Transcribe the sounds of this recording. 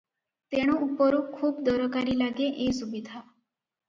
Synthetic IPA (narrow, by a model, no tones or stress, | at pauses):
t̪eɽ̃ũupːɔɾũkʰːuːbd̪ɔɾɔkaɾiːlaɡeʔesubid̪ʱa